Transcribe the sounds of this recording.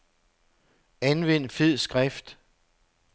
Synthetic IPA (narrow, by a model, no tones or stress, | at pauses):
ænʋen̰feð̰ˠsɡ̥ʁafd̥